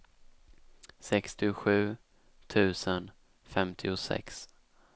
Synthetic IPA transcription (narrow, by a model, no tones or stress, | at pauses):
sɛkst̪ɪɧʉ̟ː | t̪ʰʉ̟ːsən | fɛmt̪ʰɪʊsɛ̰ks